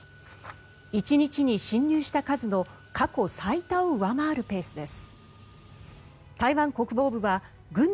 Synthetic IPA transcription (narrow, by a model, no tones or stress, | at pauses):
it͡ɕiɲ̟it͡ɕiɲ̟iɕĩɲ̟ːɨːɕi̥t̪akazɨno̞ | kako̞sait̪aoɯ̟βamaːɾɯ̟pe̞ːsɨd̪e̞sɨ̥ | t̪aiβãŋko̞kɯ̟bo̞ːbɯ̟βa | ɡɯ̟̃n